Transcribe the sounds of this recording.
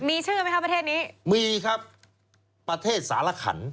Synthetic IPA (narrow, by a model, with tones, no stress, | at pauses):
miː˧t͡ɕʰɯː˥˩ma˥jkʰa˦˥pɾt̪ʰeː˥˩t̪̚niː˦˥miː˧kʰɾa˦˥p̚ː | ɾa˧t̪ʰeː˥˩t̪̚saː˩˦la˧kʰa̰˩˦n